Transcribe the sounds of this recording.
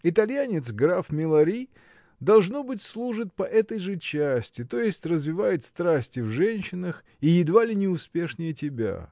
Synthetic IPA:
ɪt̪ɐlʲjanʲɪt̪s̬ɡɾafmʲɪlˠɐɾʲi | d̪ɐlˠʐno̞bɨtʲslˠuʐɨt̪̚pɐʔɛt̪əjʐɨt͡ɕæsʲtʲɪt̪o̞jɪsʲtʲrəzvʲɪvajɪt̪st̪ɾasʲtʲɪvʐɛnʲɕːɪnəx | ijɪd̪valʲɪnʲɪʊspʲe̞ʂnʲɪjətʲɪbʲa̰

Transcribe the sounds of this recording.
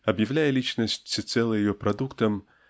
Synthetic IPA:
ɐbjawlʲajɛlʲit͡ʃnɐsʲt͡sʲit̪sɛlˠɨjjɔpɾad̪ukt̪ɐm

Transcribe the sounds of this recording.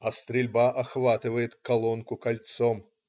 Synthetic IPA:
ɐst̪ɾʲɪlʲbaʔɐxvat̪ɨvəjɪt̪kɐlˠɔnkʊkɐlʲt̪sɔm

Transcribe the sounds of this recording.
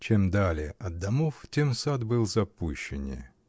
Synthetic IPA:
t͡ɕemd̪alʲɪəʔɐd̪ːɐmoftʲemsad̪bɨlˠzɐpuɕːɪnʲɪ̰

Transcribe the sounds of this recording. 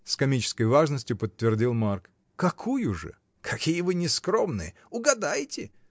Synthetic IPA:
skɐmʲit͡ɕɪ̥skəjvaʐnəsʲtʲjʊpət̪ːvʲɪrdʲilˠmark | kɐkʰujʊʐɨ̰ | kʰɐkʲijəvɨnʲɪskɾomnɨ̰jə | ʊɡɐd̪ajtʲɪ

